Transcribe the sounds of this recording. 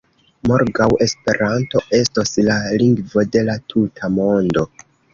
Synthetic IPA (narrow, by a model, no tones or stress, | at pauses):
mo̞ɾɡawe̞spe̞ɾʔanto̞ʔe̞stoslaliŋɡvo̞de̞latʰutʰamo̞ndo̞